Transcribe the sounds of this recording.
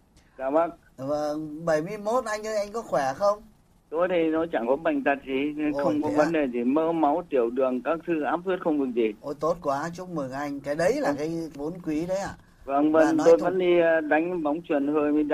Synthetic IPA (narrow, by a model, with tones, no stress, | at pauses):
zaː˧˩ɓa˦˥k̚ | və˧˩ŋɓə˧˩jmɨ˧əjmo˦˥t̚ʔa˧jŋ̟ʔəː˨˦ʔa˧jŋ̟kɔ˨˦xwɛ˧˩˨xə˧wŋ͡m | t̪o˧jt̪ʰi˨˩nɔ˨˦t͡ɕa˧˩ŋkɔ˨˦ɓa˨˩jŋ̟t̪a˨˩t̚zi˨˩˨xə˧wŋ͡mkɔ˨˦və˨˦nɗe˨˩zi˨˩məː˧ma˨˦wt̪i˧˩əwɗɨ˨˩əŋkaː˦˥k̚t̪ʰɨ˧ʔaː˦˥p̚zi˦˥t̚xə˧wŋ͡mɗɨ˨˩ək̚zi˨˩t̪o˧˩jt̪o˦˥t̚kwaː˨˦t͡ɕʊ˦˥k͡p̚mɨ˨˩ŋʔa˧jŋ̟kaː˨˦jɗə˨˦jlaː˨˩kaː˨˦jvo˨˦nkwi˨˦ɗə˨˦jʔa̰ː˧˨˩ | və˧˩ŋvə˧˩ŋnɔ˨t̪o˧jvə̰˧˥nɗiː˧ɗa˨˦jŋ̟va˨˦wŋ͡mt͡ɕwi˨˩ənhəː˧jmi˧˦˧